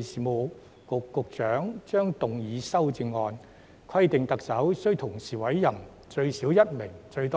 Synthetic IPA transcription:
siː˨mo˨˧ | kʊ˨kːʊ˨˧k̚t͡ʃœː˨˥ŋt͡ʃœː˥ŋt̪ʊ˨ŋjiː˨˥sɐ˥wt͡sɪ˧ŋːɔː˧n | kʷʰɐ˥jt̪ɪ˨ŋt̪ɐ˨k̚sɐ˨˥wsɵ˥ɥt̪ʰʊ˨˩ŋsiː˨˩wɐ˨˥jːɐ˨˩n | t͡ʃɵ˧ɥsiː˨˥wjɐ˥t̚mɪ˨˩ŋt͡ʃɵ˧ɥt̪ɔː˥

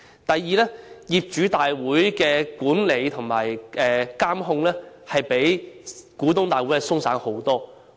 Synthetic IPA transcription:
t̪ɐ˨jːiː˨˧lɛː˥jiː˨p̚t͡ʃyː˨˥t̪aː˨jwuː˨˥jkɛː˧kuː˨˥nle˨˧jt̪ʰʊ˨˩ŋma̰ː˨˩jɛː˨kaː˥mɦʊ˧ŋlɛː˥ | hɐ˨jpe˨˥jkuː˨˥t̪ʊ˥ŋt̪aː˨jwu˨˥jɛ˧˥sʊ˥ŋsaː˨˥nho˨˥wt̪ɔː˥

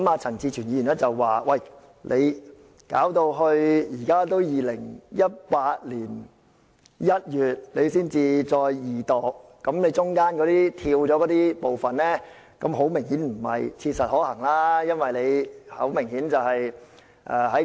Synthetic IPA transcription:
kɐ˦˥maː˧t͡sʰɐ˨˩nt͡sʰiː˧t͡ʃʰyː˨˩njiː˨˧jy˨˩nlɛː˥t͡sɐ˨wːaː˨wɐ˨˩j | lʔe˨˧j | kaː˨˥wt̪o˧wɦɵ˧ɥjiː˨˩kaː˥t̪̬o˥wjiː˨˧lɪ˨˩ŋjɐ˥t̚paː˧t̚liː˨˩n | jɐ˥t̚jyː˨t̚le˨˧jsiː˥nt͡siː˨t͡sɔː˧jjiː˨˩t̪ɔː˨k̚ːɐ˨˥mne˨˧jt͡sʊ˥ŋkaː˥nkɔ˨˧˥t̪iː˥t̪ʰiː˧wt͡ʃɔː˨˥kɔ˨˥t̪iː˥po˨wfɐ˨nlɛː˥ | kɐ˨˥mɦo˨˥wmɪ˨˩ŋhiː˨˥nm̩˨˩hɐ̰˨jt͡sʰiː˧t̚sɐ˨t̚hɔː˨˥hɐ˨˩ŋlaː˥jɐ˥nwɐ˨jle˨˧jhɐ̰˨˥wmɪ˨˩ŋhiː˨˥nt͡sɐ˨whɐ˨j | ʔɛ̰ː˨˩hɐ˨˥

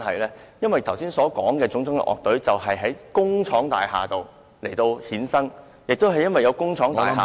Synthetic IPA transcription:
hɐ̰˨jlɛː˥jɐ˥nwɐ˨jt̪ʰɐ˨˩wsiː˥nsɔː˨˥kɔː˨˥ŋkɛː˧t͡sʊ˨˥ŋt͡sʊ˥ŋlɪ̰˨˩ʔɔ̰˨k̚t̪ɵ˨˥ɥt͡sɐ˨wɦɐ˨jɦɐ˨˥jkʊ˥ŋt͡ʃʰɔː˨˥ŋt̪a̰ː˨jɦa̰ː˨t̪o˨w | le˨˩jt̪o˧whiː˨˥nsɐ˥ŋ | jɪ˨k̚t̪o˥wɦɐ˨jːɐ˥nwɐ˨jɐ˨˧wkʊ˥ŋt͡ʃʰɔː˨˥ŋt̪a̰ː˨˩ɦa̰ː˨

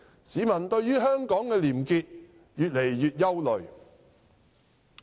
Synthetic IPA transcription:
siː˨˥mɐ˨˩nt̪ɵ˧ɥjyː˥ɦœː˥ŋkɔː˨˥ŋkɛː˧liː˨˩mkiː˧t̚ | jyː˨t̚le˨˩jːyː˨˧t̚jɐ˥wlɵ˨˩ɥ

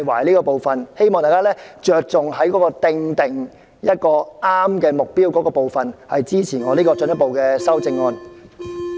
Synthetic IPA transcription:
jwaː˨˩jliː˥kɔː˧po˨wfɐ˨nhe˥jmɔː˨ŋt̪aː˨˩kaː˥lɛː˥t͡ʃœː˨k̚t͡sʊ˨ŋɦɐ˨˥jkɔ˨˥kɔː˧t̪ɪ˧ŋt̪ɪ˨ŋ | jɐ˥t̚kɔː˧aː˥mkɛː˧mʊ˨k̚piː˥wkɔː˨˥kɔː˧po˨wfɐ˨nhɐ˨jt͡siː˥t͡sʰiː˨˩ŋɔː˨˧liː˥kɔː˧t͡sɵ˧njɐ˥t̚po˨wkɛː˧sɐ˥wt͡sɪ˧ŋːɔː˧n

